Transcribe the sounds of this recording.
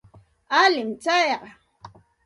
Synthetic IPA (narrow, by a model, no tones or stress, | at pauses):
alɪmt͡ʃajɢɑ